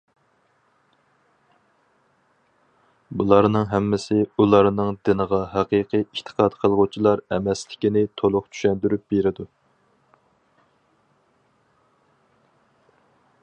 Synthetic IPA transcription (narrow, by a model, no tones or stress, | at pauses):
bulˠɑɾnɨŋɦɛmːɪsɪulˠɑɾnɨŋd̪ɪnəʁɑɦæqiqʰiiʃt̪ʰə̥qʰɑd̪qʰəlˠʁut͡ʃʰilˠɑɾɛmɛslɪkʲinɪt̪ʰolˠʊqt͡ʃʰy̥ʃɛnd̪yɾyp̚beɾɪd̪u